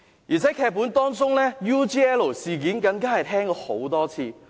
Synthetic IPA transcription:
jiː˨˩t͡sʰɛː˨˦˥kʰɛː˧k̚pːuː˨˥nt̪ɔː˥ŋt͡sʊ˥ŋnɛː˥juː˥t͡ʃiː˥ɛː˥lo˨˩siː˨k̬iː˨˥nkɐ˨˥nkaː˥hɐ˨jt̪ʰɛː˥ŋkɔː˧ho̰˨˥wt̪ɔː˥t͡sʰiː˧

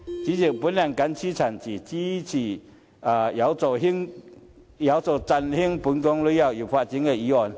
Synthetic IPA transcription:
t͡ɕi˨˦t͡ɕi˨˩ŋpu˨˦nla˧˩ŋka˧˦nt͡ɕʰi˦˥t͡sʰa˨˩nt͡ɕʰi˨˩t͡ɕi˦t͡ɕʰi˨˩ | a˨˩ja˨˧˦wt͡sɔ˧˩ɦi˥ŋ | ja˨˦wt͡sɔ˨˩t͡sa˧nhi˦˥ŋpu˨˧˦nkɔ˦ŋlu˧˦ja˧˩wji˨˩fa˧˨t͡ɕi˧˦ŋe˧˩i˧˦ɔ˧˨n

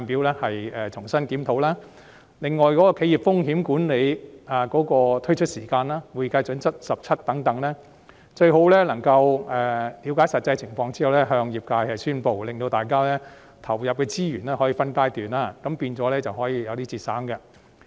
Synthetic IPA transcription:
a˨˧npiː˨˧wlɛː˥hɐ˨jɛː˨t͡sʰʊ˨˩ŋsɐ˥nki˨˥mt̪ʰo˨˥wlaː˥ | lɪ˨˩ŋːɔː˨jkɔː˨˥kɔː˧kʰe˨˥jiː˨˩p̚fʊ˥ŋɦiː˨˥mkuː˨˥nle˨˧jaː˨kɔː˨˥kɔː˧t̪ʰɵ˥jt͡ʃʰɵ˥t̚siː˨˩kaː˧nlaː˥wuː˨˩jkaː˧˥jt͡sɵ˨˥nt͡sʰɐ˥t̚sɐ˨p̚t͡sʰɐ˥t̚t̪ɐ˨˥ŋt̪ɐ˨˥ŋlɛː˥ | t͡ʃɵ˧ɥho˨˥wlɛː˥lɐ˨˩ŋkɐ˧wɛː˨liː˨˥wkaː˨˥jsɐ˨t̚t͡sɐ˧jt͡sʰɪ˨˩ŋfɔː˧ŋt͡siː˥hɐ˨wlɛː˥ɦœː˧ŋjiː˨p̚kaː˧jhɐ˨jsyː˥npo˨wlɪ˨ŋt̪o˧wt̪aː˨jkaː˥lɛː˥ | t̪ʰɐ˨˩wjɐ˨p̚kɛː˧t͡siː˥jyː˨˩nlɛː˥hɔː˨˥jiː˨˧˩fɐ˥nk̪aː˥jt̪yː˨˩naː˧kɐ˨˥mpiː˧nt͡sɔː˨˥lɛː˥t͡sɐ˨wɦɔː˨˥jiː˨˧jɐ˨˧wt̪iː˥t͡siː˨t̚sa̰ː˨˥ŋkɐ˧

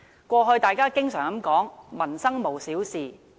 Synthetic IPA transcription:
kʷɔː˧ɦɵ˧ɥt̪aː˨jkaː˥kɪ˥ŋsœː˨˩ŋkɐ˨˥mkɔː˨˥ŋmɐ˨˩nsɐ˥ŋmo˨˩wsiː˨˥wsiː˨

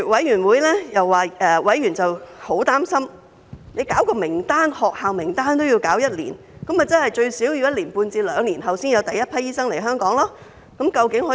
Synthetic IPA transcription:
wɐ˨˥jyː˨˩nwuː˨˥jlɛː˥jɐ˨wːaː˨˩ɛː˧wɐ˨˥jɥyː˨˩nt͡sɐ˨who˨˥wt̪aː˥msɐ˥m | ne˨˧jkaː˨˥wkɔː˧mɪ˨˩ŋt̪aː˥nhɔː˨k̚haː˨wmɪ˨˩ŋt̪aː˥nt̪o˥wji˧wkaː˨˥wjɐ˥t̚lḭː˨˩n | kɐ˨˥mɐ˨t͡sɐ˥nhɐ˨˩jt͡ʃɵ˧ɥsiː˨˥wjyː˧jɐ˥t̚liː˨˩npuː˧nt͡siː˧lœː˨˧ŋliː˨˩nɦɐ˨wsiː˥njɐ˨˧wt̪ɐ˨jɐ˥t̚pʰɐ˥jiː˥sɐ˥ŋle˨˩jɦœː˥ŋkɔː˨˥ŋlaː˥ | kɐ˨˥mkɐ˧wkɪ˨˥ŋhɔː˨˧˥

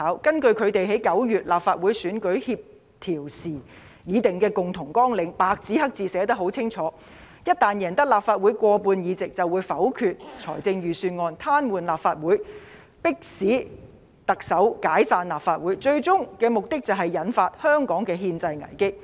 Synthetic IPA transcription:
aː˨˥wkɐ˥nkɵ˧ɥkʰɵ˨˧ɥt̪e˨jɦe˨˥jkɐ˨˥wjyː˨t̚laː˨p̚faː˧t̚wuː˨˥jsyː˨˥nkɵ˨˥ɥhiː˧p̚ | t̪ʰiː˨˩wsiː˨˩ | jiː˨˧˥t̪ɪ˨ŋkɛː˧kʊ˨ŋt̪ʰʊ˨˩ŋkɔː˥ŋlɪ˨˧ŋpaː˧k̚t͡siː˨˥hɐ˥k̚t͡siː˨˧sɛː˨˥t̪ɐ˥k̚ho˨˥wt͡sʰɪ˥ŋt͡ʃʰɔː˨˦ | jɐ˥t̚t̪aː˨njɛː˨˩nt̪ɐ˥k̚laː˨pfaː˧t̚wu˨˥jkʷɔː˧puː˧njiː˨˧t͡sɪ˨k̚t͡sɐ˨wuː˨˧jfɐ˨˥wkʰyː˨˧t̚t͡sʰɔ̰ː˨˩jt͡sɪ˧ŋjyː˨syː˧nŋɔː˧nt̪ʰaː˥nwuː˨nlaː˨p̚faː˧t̚wuː˨˥j | pɪ˥k̚siː˨˥ | t̪ɐ˨k̚sɐ˨˥wkaː˨˥jsaː˧nlaː˨˩p̚faː˧t̚wuː˨˥jt͡ʃɵ˧ɥt͡sʊ˥ŋkɛː˧mʊ˨k̚t̪ɪ˥k̚t͡sɐ˨wɦɐ˨jːɐ˨˥nfaː˧t̚hœː˥ŋkɔː˨˥ŋkɛː˧ɦiː˧nt͡sɐ˧jŋɐ̰˨˩jkɪ˥k̚

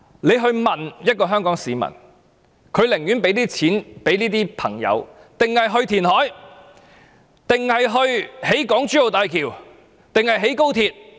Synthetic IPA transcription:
le˨˧jɦɵ˧ɥmɐ˨njɐ˥t̚kɔː˧ɦœː˥ŋkɔː˨˥ŋsiː˨˧mɐ̰˨˩n | kʰɵ˨˧ɥlɪ˨˩ŋjyː˨˥npe˨˥jliː˥t͡sʰiː˨˥npe˨˥jniː˥t̪iː˥pʰɐ̰˨˩ŋjɐ̰˨˧w | t̪ɪ˨ŋhɐ˨jɦɵ˧ɥt̪ʰiː˨˩nɦɔː˨˥j | t̪ɪ˨ŋhɐ˨jɦɵ˧ɥhe˨˥jkɔː˨˥ŋt͡ʃyː˨˥jo˨wt̪aː˨jkʰiː˨˩w | t̪ɪ˨ŋhɐ˨jɦe˨˥jko˥wt̪ʰiː˧t̚

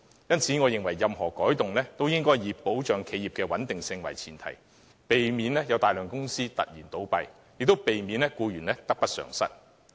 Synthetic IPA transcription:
jɐ˥nt͡sʰiː˨˥ŋɔː˨˧jɪ˨ŋwɐ˨˩jːɐ˨mɦɔː˨˩kɔː˨˥jt̪ʊ˨ŋlɛː˥t̪o˥wjɪ˥ŋkɔː˥jjiː˨˧po˨˥wt͡ʃœː˨˧˥ŋkʰe˨˧jiː˨pkɛː˧wɐ˨˥nt̪ɪ˨ŋsɪ˧ŋwɐ˨˩jt͡sʰiː˨˩nt̪ʰɐ̰˨˩j | pe˨jmiː˨˧nlɛː˥jɐ˨˧wt̪aː˨jlœː˨ŋkʊ˥ŋsiː˥t̪ɐ̰˨t̚jiː˨˩nt̪o˨˥wpɐ˨˧j | jɪ˨k̚t̪o˥wpe˨jmiː˨˧nlɛ˥kuː˧ɥyː˨˩nlɛː˥t̪ɐ˥k̚pɐ˥t̚sœ̰ː˨˩ŋsɐ̰˥t̚

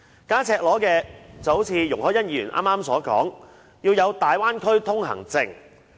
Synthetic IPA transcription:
kaː˥t͡sʰɛː˧k̚lɔː˨˥kɛː˧t͡sɐ˨who˨˥wt͡sʰiː˨˧jʊ˨˩ŋhɔː˨˥jɐ˥njiyː˨˩nʔa̰ː˥mːaː˥msɔː˨˥kɔ̰ː˨˥ŋ | jiː˧wjɐ˨˧wt̪aː˨jwaː˥nkʰɵ˥ɥt̪ʰʊ˥ŋhɐ̰˨˩ŋt͡sɪ˧ŋ

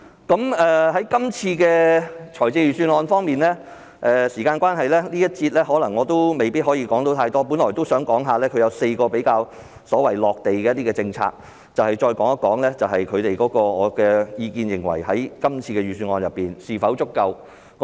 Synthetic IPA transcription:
kɐ˨˦˥mɛː˨ɦɐ˨˥jkɐ˥mt͡sʰiː˧kɛː˧t͡ʃʰɔː˨˩jt͡sɪ˧ɥy˨syː˧nɔː˧nfɔː˥ŋmiː˨nlɛː˥ | ʔɛː˨siː˨˩kaː˧nkʷwaː˥nhɐ˨jlɛː˥liː˥jɐ˥t̚t͡siː˧t̚lɛː˥hɔː˨˥lɐ˨˩ŋːɔː˨˧t̪o˥wme˨jpiː˥t̚hɔː˨˥jiː˧kɔː˨˥ŋt̪o˨˧wt̪ʰaː˧jt̪ɔː˥p̬uː˨˥nlɔː˨˩t̪o˥wsœː˨˥ŋkɔː˨˥ŋɦaː˨˧lɛː˥kʰɵ˨˧jɐ˨˧wse˧jkɔː˧pe˨˥jkaː˧w | sɔː˨˥wɐ˨˩jlɔː˨k̚t̪e˨jkɛː˧˥t̪iː˥ɛː˧t͡sɪ˧ŋt͡sʰa̰ː˧k̚ | t͡sɐ˨whɐ˨jt͡ʃɔː˧jkɔː˨˥ŋɐ˥kːɔː˨˥ŋlɛː˥t͡sɐ˨wɦɐ˨jkʰɵ˨˧t̪e˨jkɔː˨˥kɔː˧ɔː˨˧kɛː˧jiː˨˧kiː˧njɪ˨˩ŋwɐ̰˨˩jɦɐ˨˥jkɐ˥mt͡sʰiː˧kɛ˧ɥyː˨˩syː˧nɔː˧njɐ˨˩pːiː˨nsiː˨fɐ˨˥wt͡sʊ˥kːɐ˧w | k

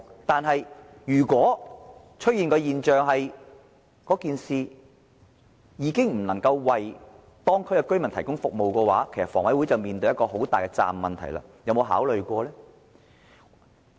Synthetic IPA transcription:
t̪aː˨˧nɦɐ˨j | jyː˨˩kʷɔː˨˥ | t͡ʃʰɵ˥t̚jiː˨˧nkɔ˧jiː˨nt͡ʃœː˨˧ŋɦɐ˨j | kɔː˨˥kiː˨nsiː˨˧ | jiː˨˧kɪ˥ŋm̩˨˩nɐ˨˩ŋkɐ˧wwɐ˨j | t̪ɔː˥ŋkʰɵ˨˥kɛ˧kɵ˥ɥmɐ˨˩nt̪ʰjkʊ˥ŋfʊ˨k̚mo˨wkɛː˧waː˨˥kʰe˨˩sɐ˨t̚fɔː˨˩wɐ˨˥jwu˨˥jt͡sɐ˨wmiː˨nt̪̬ɵ˧jɐ˥kɔː˧ɦo˨˥wt̪aː˨jkɛ˧t͡sa̰ː˨mːɐ˨nt̪ʰɐ˨˩jla̰ː˧jɐ˨˧wmo˨˧wɦa̰ː˨˥wlɵ˨ɥkʷɔː˧lɛː˥

